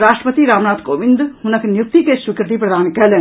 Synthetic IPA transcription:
ɾast̪ɾəpət̪iɾamnaːt̪koʋind̪hunɐknjuk̚t̪ikeʃukəɾd̪iːpɾəd̪aːnkɛlɛn

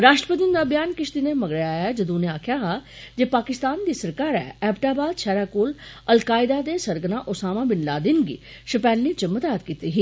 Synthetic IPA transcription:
ɾaːʃʈɾəpɾəd̪ɪnd̪aːbjaːnkɪʃt̪ineːməɡɾəjaːɛːd͡ʒəd̪ũːnẽːaːkʰjaːɦaː | d͡ʒeːpaːkɪst̪aːnd̪iːsəɾkaːɾɛ̰ːɛːpʈaːbaːd̪ʃʰɛːɾaːkoːl | əlkaːɪd̪aːd̪eːsəɾɡənãːʔʊsaːmãːbɪnlaːd̪ɪnɡḭː | ʃəpɛːlːiːt͡ʃəmːət̪aːt̪kiːt̪iːɦiː

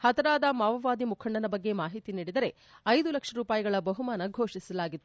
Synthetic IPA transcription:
hɐt̪ɐɾaːd̪ɐmaːʋɐʋaːd̪imukʰɐɳɖɐnɐbɐɡːe̞maːɦit̪iniːɽid̪ɐɾe̞ | ɐjd̪ulɐkʂɐɾuːpaːjɐɡɐɭɐbɐɦumaːnɐɡʱoːʂisɐlaːɡit̪ːu

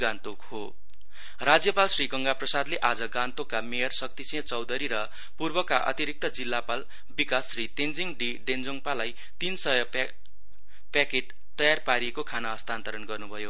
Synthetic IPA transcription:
ɡãnt̪okho | rad͡zjʌpalsriɡʌŋɡaprʌsad̪leʔad͡zʌɡãnt̪okːamejʌrsʌk̚t̪isijʌ̃t͡sʌwd̪ʌɾiɾʌ | purbʌkaʔʌ̰t̪iɾik̚t̪ʌd͡zilːapal | bikasrit̪end͡ziŋɖiɖend͡zoŋpalaj | t̪insʌjʌ | pakeʈ | t̪ʌjarpaɾiekokʰanaʌst̪ʰant̪ʌɾʌnɡʌrnubʱʌjo

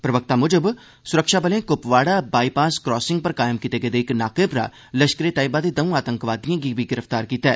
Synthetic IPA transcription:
pɾəʋək̚t̪aːmʊd͡ʒəb | sʊɾəkʃaːbəlẽːkʊpʋaːɽaːbaːiːpaːskɾɔːsɪŋɡ̚pəɾkaːjmkit̪eːɡəːd̪eːɪknaːkeːpɾa̰ː | ləʃkəɾeːt̪aːɪbaːd̪eːd̪əũːaːt̪ə̃ŋkʋaːd̪ijãːɡiːbʱiːɡɪɾəfʰt̪aːɾkiːt̪ɛː

